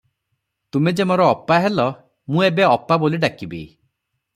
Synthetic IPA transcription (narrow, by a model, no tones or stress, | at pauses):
t̪umed͡ʒemoɾɔːpːaɦelɔ | mũebeɔpːaboliɖakibḭ